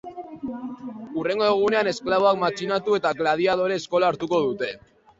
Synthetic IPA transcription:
ure̞ŋɡo̞eɣ̞une̞ane̞sklaβ̞o̞ak̚mat͡ʃinat̪ue̞t̪aɣlað̞iaðo̞ɾe̞ːsko̞laːɾt̪uko̞ðut̪e̞

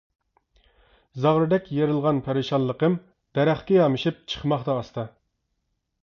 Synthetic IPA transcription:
zɑʁɾɨd̪ɛkʲjeɾɪlˠʁɑnpʰæɾɨʃɑnlˠəqəm | d̪̥ɛɾæχkʲɛjɑmɨʃip̚t͡ʃʰə̥χmɑχt̪ɑːst̪ʰɑ

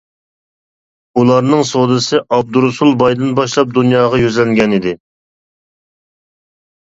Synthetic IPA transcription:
ulˠɑɾnɨŋsod̪ɨsɨʔɑb̚d̪uɾsulˠbɑjd̪ɨnbɑʃlˠɑp̚d̪unjɑːʁɑjyzlɛŋɡʲɛnid̪ɪ

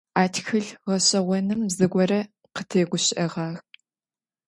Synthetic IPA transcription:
aːtxɨɮʁɐɕɐʁʷɔnɨmzɨɡʷɔɾɐ | qətʰeːɡʷʊɕɪʔɐʁɑːx

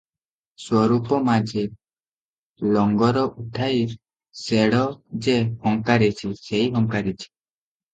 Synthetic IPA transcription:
swɔɾupɔmad͡ʒe | lɔŋɡɔɾɔʔuʈʰaiɾ | seɽɔd͡ʒehɔŋkaɾet͡ʃʰiseiɦɔŋkaɾit͡ʃʰi̥

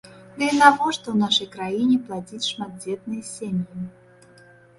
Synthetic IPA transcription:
d̪ɨinavɔʂt̪ɔwnaʂɐjkɾajinʲɛplˠad͡zʲit͡sʲʂmad̪̚d͡zʲet̪̚nɨjɐsʲemʲji

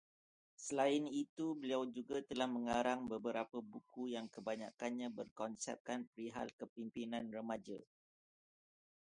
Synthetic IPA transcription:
səlaɪnit̪ubəliawd͡ʒuɡat̪əlahmə̃ŋaɾaŋbəbəɾapəbukujaŋkəbaɲa̰kanɲãbərkɔnsɛ̰p̚kanpɾiɦa̰lkəpimpinãnrəmãd͡ʒa̰

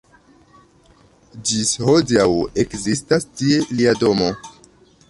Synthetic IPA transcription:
d͡ʒisho̞diawe̞kzistastie̞liado̞mo̞

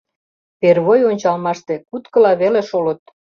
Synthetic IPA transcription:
perβojonʲt͡ɕɑlmɑʃt̪ekut̪kə̆lɑβeleʃolə̆t̪̚

